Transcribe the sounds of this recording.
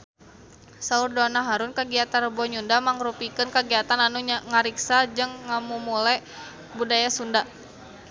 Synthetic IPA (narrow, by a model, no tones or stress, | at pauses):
saurdɔnaɦaɾunkaɡiat̪arəbɔɲundamaŋɾupikɨnkaɡiat̪ananuŋaɾiksad͡ʒɨŋːamumulɛ | budajasunda